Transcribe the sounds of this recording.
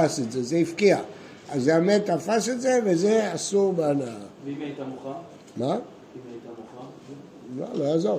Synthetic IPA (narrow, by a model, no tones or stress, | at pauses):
asezezeifkia | azːeamed̚t̪afasetzevezeasuʁbana | ma | ma̰loazoʁ